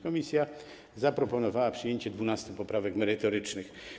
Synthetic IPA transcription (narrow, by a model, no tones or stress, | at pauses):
kɔmʲisʲja | zapɾɔpɔnɔvawapʂɘjeɲt͡ɕɛd̪vunast̪upɔpɾavɛkmɛɾɘt̪ɔɾɘt͡ʂnɘx